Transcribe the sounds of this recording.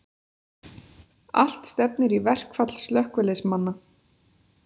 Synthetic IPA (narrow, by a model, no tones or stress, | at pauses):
a̰l̥t̪st̪ɛp̚nɪɾivɛr̥kfat̪l̥st̪lœhkvʏlɪsmanːa